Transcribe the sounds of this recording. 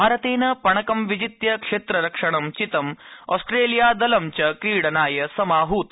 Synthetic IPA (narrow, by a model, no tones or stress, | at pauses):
bʱaːɾɐt̪eːnɐpɐɳ̃ɐkɐmʋid͡ʒit̪jɐkʂeːt̪ɾɐɾɐkʂɐɳɐmt͡ʃit̪ɐmɔ̰ːsʈɾeːlijaːd̪ɐlɐmt͡ʃɐkɾiːɽɐnaːjɐsɐmaːɦuːt̪